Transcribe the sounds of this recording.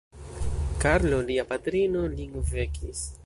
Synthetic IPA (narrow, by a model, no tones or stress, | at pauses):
kaɾloliapat̪ɾinoliŋɡvekʰis